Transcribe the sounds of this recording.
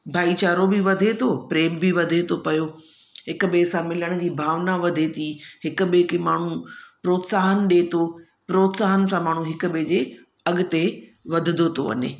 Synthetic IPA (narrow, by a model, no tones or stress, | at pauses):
bʱaːit͡ɕaːɾobɪʋɐd̪ʱet̪ʰoːpɾeːmbɪʋɐd̪ʱet̪ʰopɐjo | ɦɪkʊ̆ɓesãmɪləɽ̃ʊ̆d͡ʑiːbʱaːʋnaʋɐd̪ʱet̪ʰiɦɪkʊ̆ɓekemaːɳ̤upɾoːt̪saːɦən̆ɗeːt̪ʰo | pɾoːt̪saːɦənɪ̆sãmaːɳ̤̃ũɦɪkʊ̆ɓed͡ʑe | ɐɠʊ̆t̪eʋɐd̪ʱɪd̪ʱot̪ʰoɐ̰ne